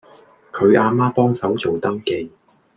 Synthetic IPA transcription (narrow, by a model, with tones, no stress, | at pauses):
kʰɵ˨˧ɥʔaː˧maː˥pɔː˥ŋsɐ˨˥wt͡so˨wt̪ɐː˥ŋke˨˥